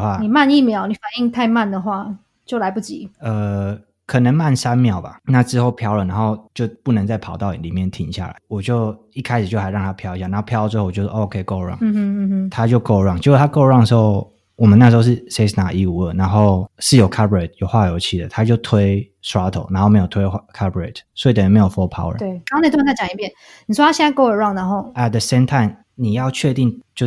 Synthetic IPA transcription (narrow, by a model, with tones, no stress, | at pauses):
xwa˥˩ni˨˩ma˥˧ni˥˩mjɑ˨˧˦ʊni˨˩fa˨˩ni˥˧ŋt̪ʰa˥˧ɪma˥˨nd̪ə˩xwa˥˩ | t͡ɕjo˥˩ʊla˧˦ɪpu˥˩t͡ɕi˨˦ə˨˩ | kʰɤ˨˩nə˧˦ŋma˥˨nsa˦nmjɑ˨˩ʊba̰˨˩na˥˧ʈ͡ʂɻ̩˥xo˥˩ʊpʰjɑ˥ʊlə˨˩na˧˥nxo˥˧ʊt͡ɕjo˥˧ʊpu˥˩nə˧˦ŋt͡sa˥˩ɪpʰɑ˨˩ʊt̪ɑ˥˩ʊi˨˩li˨˩mjɛ˥˩nt̪ʰi˧˥˦ŋɕja̰˥˩la̰˨˦wɔ˨˩t͡ɕjo˥˧ʊ | i˥˩kʰa˦ɪʂɻ̩˨˩t͡ɕo˥ʊxa˧˥ɪɻɑ˥˨ŋt̪ʰa˥pʰjɑ˥ʊi˨ɕja˥˨na˨˧˦pʰjɑ˥ʊ˨t͡swe˥˧xo˥˩˨jo˥˧˩o˧˥˦kʰe˧ɪko˥˧ʊɻwɑ̰˥˨ŋ˥˧˥t̪ʰa˦˥t͡ɕjo˥˧ʊko˥˧ʊɻwɑ˥˨ŋt͡ɕjo˥˩t̪ʰa˥ko˥˧ʊɻwɑ˥˩ŋd̪ə˩ʂxo˥˩ʊ | wɔ˨˩mə˦na˥˩ʂ̬ɻ̩˧˥o˥˧ʂ̩˥˩se˥ɪsna˨˩ʔi˥˧u˨˦ə˥˩na˧˦nxo˥˩ʊʂɻ̩˥˩jo˨˩ʊkʰa˥bə˨e˨˩t̪̚jo˨ʊxwa˥˧jo˧˥ʊt͡ɕʰi˥˩d̪ə˨˩t̪ʰa˦t͡ɕjo˥˩ʊt̪ʰwe˦˥ɪsa˦˥t̪ʰo˨˩ʊna˧˦ŋxo˥˩me˥ɪjo˨˩t̪ʰwe˥ɪkʰa˥bə˨ɹḛ˨˩tswɔ˧˥i˨˩t̪ə˨˩jme˧˥jo˨˩fɔ˧˥pʰa̰˦ʊə̰˨e˥˩˧o˥ne˨˩t̪ʰt͡sa˥˩t͡ɕjɑ˨˩ŋi˧˥˩pjɛ˥˨n | nni˨˩ʂwɔ˥t̪ʰa˥ɕjɛ˥˨na˥˧ko˥ʊə˞˨˩wɑ˥˨ŋna˧˦nxo˥˨ʊɛ˨t̪̚ðə˨˧sẽ˥˦ɪmt̪ʰa˥ɪm | ni˨˩jɑ˥˧ʊt͡ɕʰɥɛ˥˧t̪i˥˧˨ŋt͡ɕjo˥˧ʊ